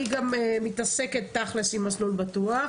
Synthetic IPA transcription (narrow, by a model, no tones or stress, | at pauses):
iɡamemitase̞ke̞t̪ːaχlesimaslulbatua